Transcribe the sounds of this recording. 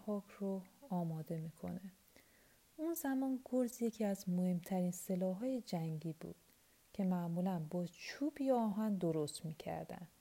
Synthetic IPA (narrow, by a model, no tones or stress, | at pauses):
hɒːkʰroɒːmɒːd̪e̞miːkʰo̞̰ne | unzæmɒːnɡoɾzje̞cʰiːæzmohe̞mt̪ʰæɾiːnselɒːɦɒːje̞d͡ʒæŋɟiːbṵːd̪̥̚ | cʰe̞mæʔmulænbɒːt͡ʃʰuːbijɒːɦænd̪oɾost̪miːcʰæ̰ɾd̪æ̰nd̥̪